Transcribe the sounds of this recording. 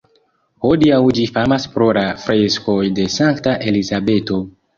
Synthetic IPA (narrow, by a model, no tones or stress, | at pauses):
hodiawd͡ʒifamaspɾo̞lafɾesko̞jde̞saŋktaʔe̞lizabe̞to̞